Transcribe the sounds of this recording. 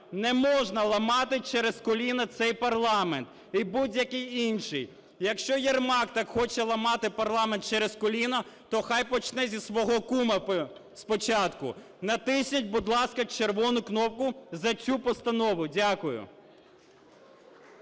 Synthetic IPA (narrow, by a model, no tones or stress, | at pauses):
nɛmɔʒnɐlˠɐmɑt̪ɪt͡ʃɛɾɛskɔlʲinɐt̪sɛjpɐrlˠɑment̪ | ibudʲjɐkɪjinʃɪj | jɐkʃt͡ʃɔjɛrmɑkt̪ɑkxɔt͡ʃɛlˠɐmɑt̪ɪpɐrlˠɑment̪̚t͡ʃɛɾɛskɔlʲinɐt̪ɔxɑjpɔt͡ʃnɛzʲisʋɔɦɔkumɐ | spɔt͡ʃɑt̪kʊ̰ | nɐt̪ɪsʲnʲɐtʲbud̪lˠɑskɐt͡ʃerʋɔnʊknɔp̚kʊzɐt͡sʲupɔst̪ɐnɔʋʊdʲakʊjʊ̰